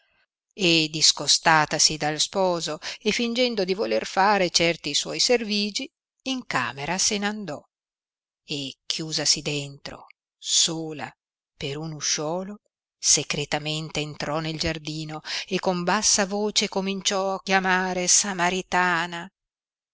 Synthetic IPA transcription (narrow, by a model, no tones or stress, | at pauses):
ed̪iskost̪aːt̪asid̪alspɔːzoefind͡ʒɛnd̪od̪ivolerfaːɾet͡ʃɛrt̪iswɔjserviːd͡ʒiː | ŋka̰ːmeɾasenand̪ɔ | ekʰːjuːzasid̪ent̪ɾo̰ | soːla̰ | peɾunuʃɔːlo | sekɾet̪ament̪eːnt̪ɾɔneld͡ʒard̪iːnoekːombasːavoːt͡ʃekomint͡ʃɔakjamaːɾesamaɾit̪aːna